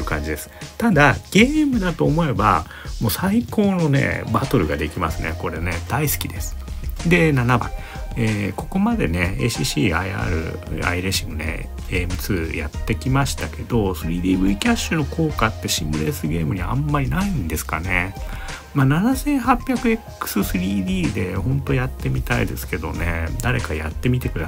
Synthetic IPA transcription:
iɯkãɲ̟d͡ʑid̪e̞sɨ̥t̪ad̪aɡ̥e̞ːmɯ̟d̪at̪o̞ːmo̞e̞ba̰ | mo̞ːsaikʰo̞ːno̞nḛbat̪o̞ɾɯ̟ɡad̪e̞kʲimasɨnḛko̞ɾe̞ne̞d̪̥aisɨ̥kʲid̪e̞sɨ̥d̪e̞nanaba̰i | eko̞ko̞mad̪e̞ne̞eɕiɕiːaia̰ːɾɯ̟̰a̰iɾeɕimonḛ | eːmɯ̟t͡sɨːja̰t̪ːe̞kʲimaɕi̥t̪ake̞d̪o̞sɨɾʲiːd̪iːbɯ̟ikʲaɕːɨno̞ko̞ːkat̪ːe̞ɕĩmbɯ̟ɾe̞sɨɡʲe̞ːmɯ̟ɲ̟iãmːaɾʲinaĩnd̪e̞sɨ̥ka̰ne̞ | mananasẽ̞ɰ̃hapʲjakɯ̟e̞kːɯ̟̥sɨsɨɾʲiːd̪iːd̪e̞hõ̞nt̪o̞jat̪ːe̞mʲit̪aḭd̪e̞̰sɨ̥ke̞d̪o̞̰ne̞d̪aɾe̞kajat̪ːe̞mʲit̪e̞kɯ̟d̪a

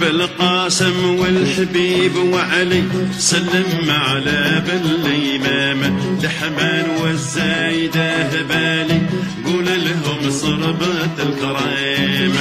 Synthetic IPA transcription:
bɪlqɑːsɪmwɪlħabiːbwaʕalisalːɪmʕalabɪlʔijmaːmd̪aħamaːnwɪzːaːjd̪aɦabaːliɡuːlalaɦʊmsˤɑɾˤɑbat̪əlkɑɾˤɑm

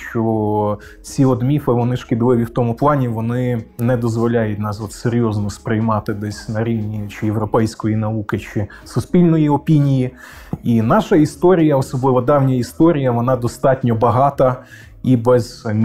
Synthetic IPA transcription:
ʃt͡ʃɔ | t͡sʲiɔd̪mʲifɪʋɔnɪʃkɪd̪lɪʋʲiwt̪ɔmʊplˠɑnʲiʋɔnɪnɛd̪ɔzʋɔlʲajʊtʲnɑsɔt̪seɾʲjɔznɔspɾɪjmɑt̪ɪd̪ɛsʲnɐɾʲiwnʲit͡ʃɪjewɾɔpɛjsʲkɔjinɐukɪt͡ʃɪ | sʊsʲpʲilʲnɔjiɔpʲinʲiji | inɑʃɐist̪ɔɾʲijɐɔsɔblˠɪʋɔd̪ɑwnʲɐist̪ɔɾʲijɐʋɔnɑd̪ɔst̪ɑtʲnʲɔbɐɦɑt̪ɐ | ibɛz

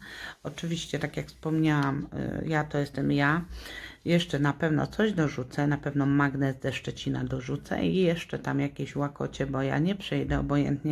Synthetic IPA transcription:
ɔt͡ʂɘvʲiɕt͡ɕɛt̪akʲjakfspɔmɲawamjat̪ɔjɛst̪ɛmja | jɛʂt͡ʂɛnapɛvnɔ̰t̪sɔʑd̪ɔʐut̪sɛnapɛvnɔmaɡnɛzd̪ɛʂt͡ʂɛt͡ɕina̰d̪ɔʐut̪sɛ̰ijɛʂt͡ʂɛt̪amjakʲeɕwakɔt͡ɕɛbɔja̰ɲɛpʂɛjd̪ɛɔbɔjɛ̰nt̪ɲɛ

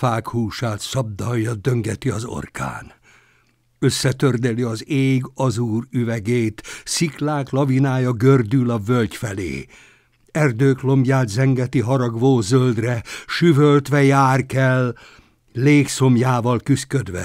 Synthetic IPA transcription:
faːkhuːʃaːt̪sɒb̚d̪ɒjːɒd̪øŋɡɛt̪iɒzo̞̰rka̰ːn | ø̞sːɛt̪ørd̪ɛliɒzeːɡɒzuːryvɛɡeːt̪siklaːklɒvinaːjɒɡørd̪ylɒvølcfɛlḛː | ɛrd̪øːklo̞mbjaːd̪zɛŋɡɛt̪iɦɒɾɒɡʋoːzøld̪rɛʃyvølt̪ʋɛjaːrkɛlː | eːkso̞mjaːvɒlkyskød̪ʋɛ̰

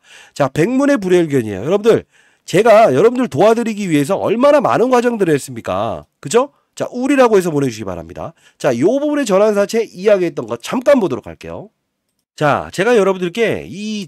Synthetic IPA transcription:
t͡ɕape̞ŋmune̞p̬uɾeɭɡjʌɲiḛjo̰jʌɾʌbundɯɭ | t͡ɕe̞ɡajʌɾʌbundɯɭtoadɯɾiɡiɥie̞s̬ʰʌʔʌɭmanama̰nɯnɡwad͡ʑʌŋdɯɾɯɦes͈ɯmɲik͈a̰kɯd͡ʑo | t͡ɕa̰ʔuɾiɾaɡoɦe̞s̬ʰʌpone̞d͡ʑuɡiba̰ɾa̰mɲḭda̰ | t͡ɕajobʌbune̞t͡ɕʌnɦans̬ʰat͡ɕʰe̞ʔijaɡiɦe̞t̚t͈ʌnɡʌt̚t͡ɕ͈amk͈anbodoɾokʰa̰ɭk͈e̞̰jo̰ | t͡ɕa̰t͡ɕe̞ɡajʌɾʌbundɯɭk͈e̞i

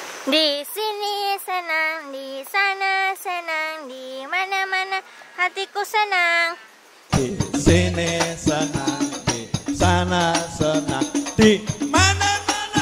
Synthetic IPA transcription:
nd̪isinisənaŋdisanasənaŋd̪imanamanahat̪ikusənaŋ | d̪̥isinisənaŋdisanasənaŋd̪̥imanam

